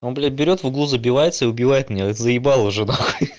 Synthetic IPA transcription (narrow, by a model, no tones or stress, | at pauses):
onblʲɪbʲɪɾʲo̞t̪vʊɡlˠuzəbʲɪvajɪt̪səiʊbʲɪvajɪt̪̚mʲnʲaɛt̪əzəjɪbalˠəvʐɨnakoj